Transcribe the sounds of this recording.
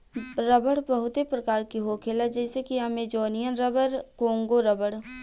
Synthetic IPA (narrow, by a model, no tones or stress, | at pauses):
ɾəbəɽbəɦʊt̪epɾəkaːɾkiɦoːkʰeːlad͡ʒɛːsekiamed͡ʒɔːnɪijənɾəbəɾkõːŋɡoɾəbəɽ